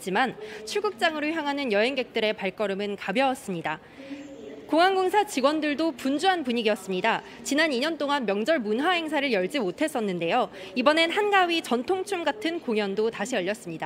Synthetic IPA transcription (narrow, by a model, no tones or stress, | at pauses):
d͡ʑimant͡ɕʰuɭɡuk̚t͡ɕ͈aŋɯɾoçjaŋɦanɯnjʌɦe̞ŋɡe̞k̚t͈ɯɾe̞paɭk͈ʌɾɯmɯnkabjʌwʌs͈ɯmɲida | koŋaŋɡoŋsʰat͡ɕiɡwʌndɯɭdopund͡ʑuɦanpuɲiɡiʌs͈ɯmɲida | t͡ɕinaniɲʌnt͈oŋanmjʌŋd͡ʑʌɭmunɦwaɦe̞ŋsʰaɾɯɭjʌɭd͡ʑimotʰe̞s͈ʌnːɯnde̞jo | ibʌne̞nɦanɡaɥit͡ɕʌntʰoŋt͡ɕʰumɡatʰɯnkoŋjʌndotaɕʰiʌʎːʌs͈ɯmɲida